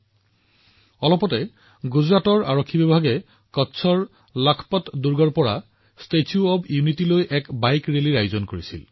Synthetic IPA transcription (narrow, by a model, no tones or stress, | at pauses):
ɔlɔpɔtɛ | ɡuzɹatɔɹaɹokʰːibibʱaɡɛ | kɔtːsʰɔɹ | lakʰpɔtduɹɡɔɹpɔɹa | stetʰijuɔbjunitilojʔɛkbajkɹeliɹajozɔnkoɹisḭl